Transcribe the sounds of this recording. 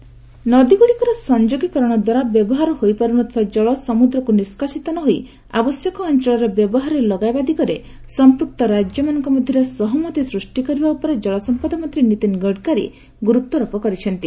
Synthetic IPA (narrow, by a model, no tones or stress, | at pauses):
nɔd̪iɡuɽikɔɾɔsɔnd͡ʒoɡikɔɾɔɽ̃ɔd̪waɾabjɔbɔɦaɾɔhojpɔɾuñɔt̪ʰɔbad͡ʒɔɭɔsɔmud̪ɾɔkuniskasit̪ɔnɔɦoi | a̰bɔsjɔkɔːnt͡ʃɔɭɔɾebjɔbɔɦaɾɔelɔɡajbad̪ikɔɾe | sɔmpɾuk̚t̪ɔɾad͡ʒjɔmanɔŋkɔmɔd̪ʱjɔɾesɔɦɔmɔt̪isɾusʈikɔɾibaupɔɾed͡ʒɔɭɔsɔmpad̪ɔmɔt̪ɾinit̪inɡɔɽkaɾḭ | ɡuɾut̪ːɔɾɔpɔkɔɾit͡ʃʰɔnt̪i